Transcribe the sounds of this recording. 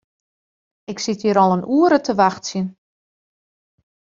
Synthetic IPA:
ɪksitjiɾɔlˠənʔuəɾətʰəʋaxtsjən

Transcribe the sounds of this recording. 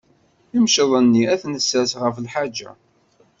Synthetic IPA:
imʃəðˤənːiæθnəsːæsʁəflħad͡ʒːæ̰

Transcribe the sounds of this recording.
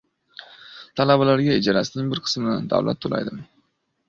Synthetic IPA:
t̪ʰalabalaɾɡʲaɪd͡ʒaɾasɪnɪŋbɪɾqʰɨ̥smɪnand̪a̰wla̰t̪ʰːola̰jd̪ɪm

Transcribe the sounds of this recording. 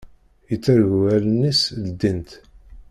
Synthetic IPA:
jət͡sːæɾɣuælənːisld̪ːint̪

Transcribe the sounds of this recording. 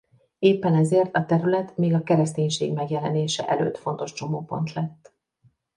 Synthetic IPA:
eːpːɛnɛzeːrt̪ɒt̪ɛɾylɛt̪meːɡɒkɛɾɛst̪eːɲʃeːɡmɛɡjɛlɛneːʃɛ̰ʔɛlø̰ːt̪fo̞nt̪o̞ʃt͡ʃo̞moːpo̞̰nt̪lɛt̪ː

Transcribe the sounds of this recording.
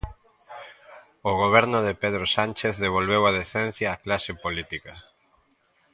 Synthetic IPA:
oɣ̞oβ̞ɛɾnʊðepeðɾosant͡ʃeθðeβ̞olβewað̞eθen̟θjaːklaʃepolit̪ikɐ

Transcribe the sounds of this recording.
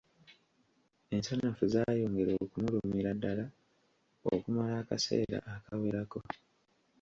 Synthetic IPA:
e̞nsanafuzaːjo̞ːŋɡe̞ɾokumulumiɾadːala | okumalaːkase̞̰ːɾa̰ʔakawiɾako̞

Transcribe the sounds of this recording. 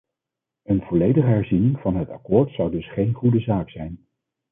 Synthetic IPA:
ənv̥ɔlejdəχəɦɛɹzinɪŋv̥ɑnɦətɑ̰kʊːɹtsɑwdɵsχejnχudəzaːksɛjn

